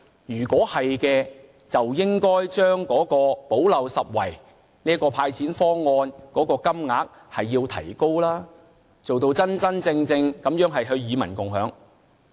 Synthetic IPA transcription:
jyː˨˩kɔː˨˥hɐ˨jkɛː˧ | t͡sɐ˨wjɪ˥ŋkɔː˥jt͡ʃœː˥ŋkɔː˨˥kɔː˧po˨˥wlɐ˨wsɐ˨t̚wɐ̰˨˩j | niː˥ɐ˥kɔː˧pʰaː˧jt͡sʰiː˨˥nfɔː˥ŋɔː˧nkɔː˨˥kɔː˧kɐ˥mŋaː˨˥k̚ | hɐ˨jːiː˧wt̪ʰɐ̰˨˩jko˥wlaː˥ | t͡so˨wt̪o˧wt͡sɐ˥nt͡sɐ˥nt͡sɪ˧ŋt͡sɪ˧ŋkɐ˨˥mjœː˨˥ŋɦɐ˨jɦɵ˧ɥjiː˨˧mɐ˨˩nkʊ˨˩ŋɦœː˨˥ŋ

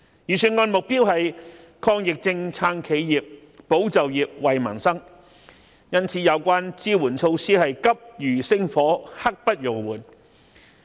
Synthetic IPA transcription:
jy˨˩syː˨˩nŋɔː˧nmʊ˨k̚piː˥whɐ˨j | kʰɔː˧ŋjɪ˨k̚t͡sɪ˧ŋt͡sʰaː˧˥ŋkʰe˨˧jjiː˨p̚ | po˨˥wt͡sɐ˨wjiː˨p̚wɐ˨jmɐ̰˨˩nsɐ˥ŋ | jɐ˥nt͡sʰiː˨˧jɐ˨˧wkʷaː˥nt͡siː˥wuː˨˩nt͡sʰo˧wsiː˥hɐ˨jkɐ˥p̚jyː˨˩sɪ˥ŋfɔː˨˥hɐ˥k̚pɐ˥t̚jʊ˨˩ŋwuː˨˩n

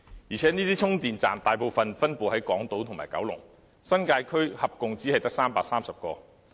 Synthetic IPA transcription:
jiː˨˩t͡ʃʰɛː˨˥niː˥t̪iː˥t͡sʰʊ˥ŋt̪iː˨˩nt͡sa̰ː˨mt̪aː˨jpo˨wfɐ˨nfɐ˥npuː˨˩hɐ˨˥jkɔː˨˥ŋt̪o˨˥wt̪ʰʊ˨˩ŋma̰ː˨˩jkɐ̰˨˥wlʊ̰˨˩ŋ | sɐ˥nkaː˧jkʰɵ˥ɥhɐ˨p̚kʊ˨ŋt͡siː˨˥ɐ˨jt̪ɐ˥k̚saː˥mpaː˧k̚saː˥msɐ˨p̚kɔː˧

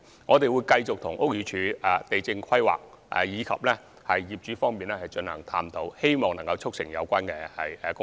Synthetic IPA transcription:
ŋɔː˨˧t̪e˨jwuː˨˧jkɐ˧jt͡sʊ˨k̚t̪ʰʊ˨˩ŋʔʊ˥k̚jyː˨˧t͡ʃʰyː˨˧˥ɛ˨t̪e˨jt͡sɪ˧ŋkʰɐ˥jwa̰ː˨k̚ | ʔɛ̰˨jiː˨˧kʰɐ̰˨p̚lɛː˥ | hɐ˨jːiː˨p̚t͡ʃyː˨˥fɔː˥ŋmiː˨nɛ˥hɐ˨jt͡ʃɵ˧nhɐ̰˨˩ŋt̪ʰa̰ː˧˥mt̪o˨˥whe˥jmɔː˨ŋnɐ˨˩ŋkɐ˧wt͡sʰʊ˥k̚sɪ̰˨˩ŋjɐ˨˧wkʷaː˥nkɛ˧hɐ̰˨jɛ˨˧kʊ˥

